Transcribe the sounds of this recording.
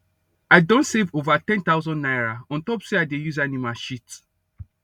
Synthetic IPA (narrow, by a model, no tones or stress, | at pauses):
aɪdõntsevovatɛ̃nt̪aʊzɔ̃nnajɹaɔ̃ntɔpseaɪdejuzanĩmaʃit